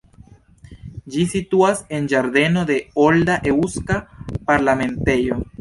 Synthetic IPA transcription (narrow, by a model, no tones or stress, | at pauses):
d͡ʒisit̪uasend͡ʒaɾdenoðeold̪aʔeuskapaɾlamẽnt̪ejo